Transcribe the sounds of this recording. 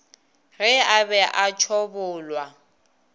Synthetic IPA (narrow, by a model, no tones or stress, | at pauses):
rɪabɛʔat͡ʃʰɔbʊːlwa